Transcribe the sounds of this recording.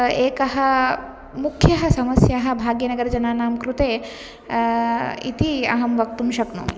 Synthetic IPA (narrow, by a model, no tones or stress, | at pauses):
eːkɐɦɐ | mukʰːjɐɦɐsɐmɐsjaɦɐ̆bʱaːɡjɐnɐɡɐɾd͡ʒɐnaːnaːmkɾut̪eː | ḭt̪iɐ̰ɦɐmʋɐk̚t̪umʃɐknṵ